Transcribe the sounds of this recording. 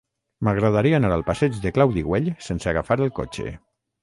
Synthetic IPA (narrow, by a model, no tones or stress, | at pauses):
maɣɾaðaɾiaːnaɾalˠpasɛd͡ʒðeklawðiɣweʎsensəaɣafaɾəlˠko̰t͡ʃḛ